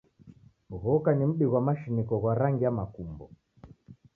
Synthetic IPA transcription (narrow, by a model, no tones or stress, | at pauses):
m̩ɣɔkanim̩ɗiɣwamaʃinikɔɣwaɾaŋɡiamakumbɔ